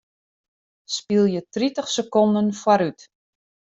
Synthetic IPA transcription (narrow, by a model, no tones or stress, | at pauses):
spilˠjətritəχsəkɔndənfwaɾyt